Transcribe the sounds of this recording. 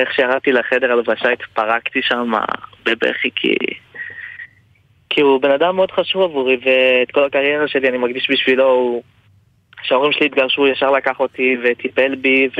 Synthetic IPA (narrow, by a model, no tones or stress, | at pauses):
eχʃejaʁadt̪ileχe̞de̞ʁalavaʃait̪paʁakt̪iʃama̰bebḛχikʰḭ | kʰiubenadamːeo̞dχaʃuvavuʁiveːt̪ko̞lakaʁje̞ʁaʃe̞lianimaɡdiʃbiʃvilo̞u | ʃeo̞ʁimʃeliːt̪̚ɡaʁʃujaʃaʁlakaχo̞t̪ive̞t̪ipe̞lbiv